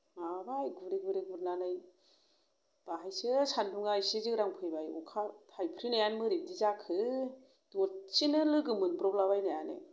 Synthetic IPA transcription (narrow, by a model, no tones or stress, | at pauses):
abajɡuɾiɡuɾiɡuɾnanaj | b̥aɦajsɯsanduŋajsizɯkɾaŋpʰɯjbajṵkʰatʰajpʰɾinajanmɯɾidizakʰɯ | dɔt͡ʃinɯlɯɡɯmɯnbɾɔblabajnajanḛ